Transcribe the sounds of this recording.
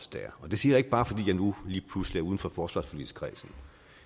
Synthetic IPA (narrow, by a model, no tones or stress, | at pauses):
sd̥æ̰ɐɒ̽d̥e̝siːɐjɑ̈e̝ɡ̥̚b̥ɑ̈ːfɒ̽d̥ḭːjɑnuliːpʰlusliæɐuðˠn̩fɒfɒːsʋɑ̈sfɒly̰̥kʰʁɛːsn̩